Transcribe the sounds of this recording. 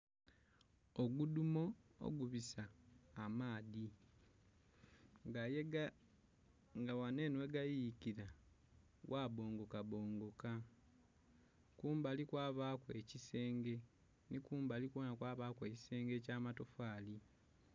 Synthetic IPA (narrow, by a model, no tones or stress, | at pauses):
oɡudumo̞o̰ɡuβisaːmaːði | ŋɡaje | ŋɡawane̞ːnwe̞ɡajikiɾa | wʔaːβo̞ːŋɡo̞kaβo̞ːŋɡo̞ka | kuːmbalikwaːβaːkwe̞cise̞ːŋɡe̞ | nikuːmbalikwoːnakwaːβaːkwe̞ːci̥se̞ːŋɡe̞caːmato̞faːli